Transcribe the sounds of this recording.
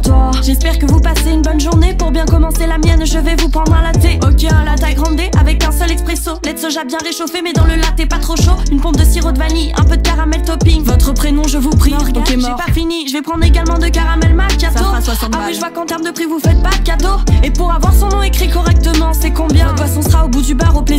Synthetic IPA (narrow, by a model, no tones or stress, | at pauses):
t̪wa | ʒɛspɛʁkəvupaseynbɔnʒuʁnepuʁbjɛ̃kɔmɑ̃selamjɛnʒəvɛvupχɑ̃d̪ʁɛ̃lat̪eokʲeɛ̃lat̪ajɡʁɑ̃d̪eʔavɛkɛ̃sœlɛkspχesolɛt̪sɔʒabjɛ̃ʁeʃofemɛd̪ɑ̃ləlat̪ɛpat̪χoʃoynpɔ̃p̚d̪əsiʁod̪valiɛ̰̃pød̪əkaʁamɛlt̪ɔpiŋvɔt̪χəpχenɔ̃ʒəvupχieɛpafiniʒəvɛpχɑ̃d̪ʁeɡalmɑ̃d̪əkaʁamɛlmakʲasɔa | awiʒəvwakɑ̃t̪ɛʁmd̪əpχivufɛt̪̚bat̪kad̪ɔʁepuʁavwaʁsɔ̃nɔ̃ekχikɔʁɛk̚t̪əmɑ̃sɛkɔ̃bjɛ̃əpwasɔ̃səʁaobud̪ybaʁoplez